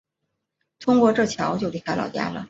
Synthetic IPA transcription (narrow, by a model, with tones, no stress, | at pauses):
t̪ʰʊ˥ŋkwɔ˥˧ʈ͡ʂɤ˥˩t͡ɕʰjɑ˧˥ʊt͡ɕjʊli˥˩a˥lɑ̰˨˩ʊt͡ɕja̰˥lə̰˨